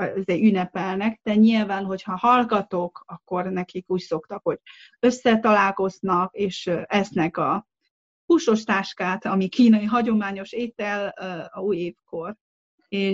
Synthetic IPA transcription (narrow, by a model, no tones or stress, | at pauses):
ɛzɛynːɛpɛlnɛkd̪̥ɛɲilvaːnɦo̞chɒhɒlɡɒt̪o̞kɒkːo̞rnɛkikuːcso̞kt̪ɒkho̞ɟ | ø̞sːɛt̪ɒlaːlko̞znɒkeːʃɛsnɛkɒ | huːʃo̞ʃt̪aːʃkaːt̪ɒmikiːnɒjiɦɒɟo̞maːɲo̞ʃeːt̪ɛluːjeːfko̞r | eː